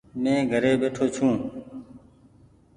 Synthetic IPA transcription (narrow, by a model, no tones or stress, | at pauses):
mẽːɡʱəɾeːɓeːʈʰoːt͡ʃʰũː